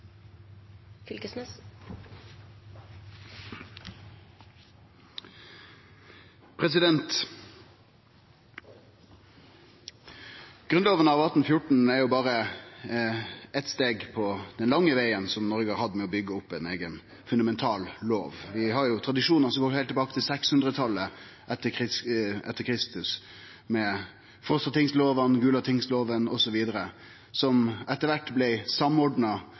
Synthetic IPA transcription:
fʏlkəsmɛs | pʰɾɛsɪd̪ɛnt̪ | ɡ̥ɾʉnloːʋənəɑʋɑt̪nfjʊʈɳ̩æɾjʊbɑːɾə | ɛt̪st̪eːɡpʰɔd̪̥ɛnlɑŋːəʋæɪənsɔmnɔɾɡəhɑɾhɑd̪ːəmɛɔbʏɡːəʊpːæneːɡən | fʉnd̪ɑmɛnt̪ʰɑːlloːʋʋɪɦɑɾjʊt̪ʰɾɑd̪ɪʂuːnɑsɔmɡoːɾhæɛɪlt̪ʰːɛbɑːkə̥t̪ʰɪlsɛkshʉnd̪ɾət̪ʰɑlːə | ʔɛt̪ːəkʰɪɛt̪ːəɾkʰɾɪst̪ʉs | mɛ | fɔst̪ɑt̪ʰɪŋsloːʋɑnɡʉːlɑt̪ʰɪŋsloːʋənɔsɔʋiːd̪əɾə | sɔmʔɛt̪ːəɾʋæʈːblɛsɑmɔɖɳɑ

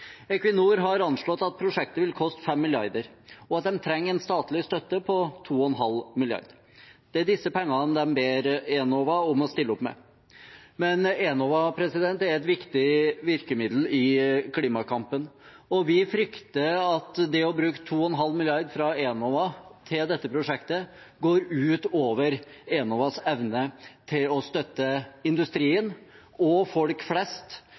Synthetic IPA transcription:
ɛkʋɪnuːɾɦɑɾɑnʂɭɔt̪ːɑt̪̚pʰɾʊʂɛk̚t̪əʋɪlkʰɔst̪fɛmːɪlɪɑɾd̪əɾ | ɔɑt̪̚d̪ɛmt̪ʰɾɛŋːɛnst̪ɑːt̪lɪst̪œt̪ːəpʰɔt̪ʰuːɔnɦɑlmɪljɑ̰ɾd̪ | d̪̥ɛd̪ɪsːəpɛŋːɑnd̪ɛmbeːɾeːnoːʋɑʊmɔst̪ɪlːəɔpmɛ̰ | mɛneːnoːʋɑpʰɾɛsɪd̪ɛnt̪æɾɛt̪ʋɪkt̪ɪʋɪɾkəmɪd̪l̩ɪkʰliːmɑkʰɑmpən | ɔʋɪfɾʏkt̪əɑt̪d̪ɛɔbɾʉːkə̥t̪ʰuːɔɛnɦɑlːmɪlɪɑɾd̪fɾɑeːnoːʋɑt̪ʰɪld̪ɛt̪ːəpʰɾʊʂɛkt̪ə | ɡoːɾʉːt̪oːʋəɾenoːʋɑsɛʋnət̪ʰɪlɔst̪œt̪ːəɪnd̪ʉst̪ɾiːən | ɔfɔlkflɛst̪

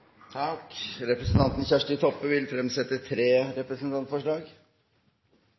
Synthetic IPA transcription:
t̪ʰɑkɾɛpɾəsn̩t̪ʰɑnt̪n̩çæʂʈɪt̪ʰɔpːəʋɪlfɾɛmsɛt̪ːət̪ʰɾeːɾɛpɾəsnt̪ʰɑnt̪fɔʂɭɑːɡ

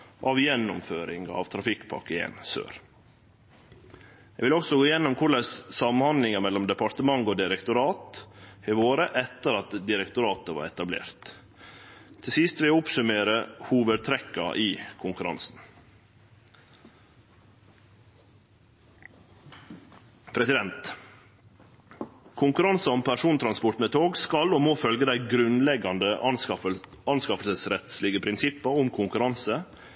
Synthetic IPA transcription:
ʔɑːʋjɛnːʊmføːɾɪŋɑ̰ːʋt̪ʰɾɑfɪkpʰɑ̰ɾkəḛːnsø̰ːɾ | ɛɡʋɪlɔksɔɡoːɪjɛnːɔmkʰʊɭəssɑmnhɑnd̪lɪŋəɾmɛlːɔmd̪əpɑɾt̪əmɑŋɡoːd̪ɪɾɛkt̪ʊɾɑːt̪hɛʋoːɾəʔɛt̪ːəɾɑt̪d̪ɪɾɛkt̪ʊɾɑːt̪əʋɑ̰ːɾɛt̪ɑblḛːɾt̪ | t̪ʰːɪlsɪst̪ʋɪlʊpsʉmeːɾəhuːʋəd̪̚t̪ʰɾɛkːɑ̰ʔiːkʰʊŋkʉɾɑ̰nsn̩ | pʰɾɛsɪd̪ɛnt̪ | kʰʊŋkʉɾɑnsɑɔmpʰæʂuːnt̪ʰɾɑnspʊʈmɛt̪ʰoːɡskɑloːmoːfœlɡəd̪æɪɡɾʉnlɛɡɑnd̪ə | ɑnskɑfəlsəsɾɛt̪slɪɡəpʰɾɪnsɪpːɑʊmkʰʊŋkʉɾɑnsə

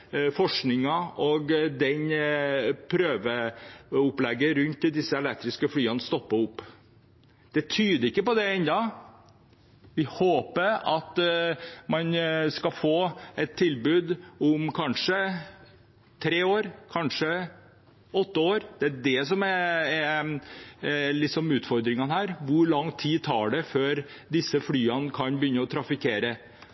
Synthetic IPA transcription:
fɔʂknɪŋɑɔɡd̪ɛn | pʰɾøːʋəʊplɛɡːəɾʉnt̪ːɪd̪ɪsːəɛlɛk̚t̪ɾɪskəflyːənst̪ɔpːəʊpː | d̪̥ɛt̪ʰyːd̪əɾɪkːəpɔd̪ɛɛnd̪ɑ | ʋɪhoːpəɾɑt̪ | mɑnskɑfoːɛt̪ʰːɪlbʉːd̪ʊmkʰɑnʂə | t̪ʰɾeːoːɾkʰɑnʂə | ɔt̪ːəoːɾd̪̥ɛæɖɛsɔmɛɛ | lɪsɔmʉːt̪fɔɾd̪ɾɪŋɑnhæːɾʋʊɾɭɑŋt̪ʰiːt̪ʰɑːɖɛføːɾ | d̪ɪsːəflyːənkʰɑnbəjʏnːəɔt̪ʰɾɑfɪkʰeːɾə

